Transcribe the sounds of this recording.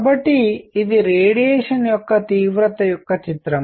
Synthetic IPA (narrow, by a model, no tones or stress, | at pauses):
bɐʈːiːd̪iɾeːɽijeːʂɐnjɔkːɐt̪iːʋɾɐt̪ɐjɔkːɐt͡ʃit̪ɾɐm